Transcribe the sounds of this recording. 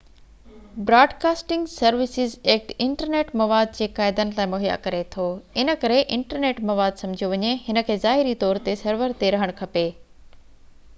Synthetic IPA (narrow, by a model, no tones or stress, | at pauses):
bɾaːɖkaːsʈɪ̃ŋɡsɐɾʋɪsɪzeːk̚ʈɪ̃ɳʈəɾneːʈmɐʋaːd̪̚d͡ʑeːkaːɪd̪ənɪ̆laːɪmoɦija̰kɐɾet̪ʰoːɪnə̆kɐɾeʔɪ̃ɳʈəɾneːʈmɐʋaːd̪sɐmd͡ʑʱijoʋɐɲeɦɪnə̆kʰeːzaːɦɪɾit̪ɔːɾt̪esɐɾʋəɾt̪eɾɐɦəɽ̃kʰɐpeː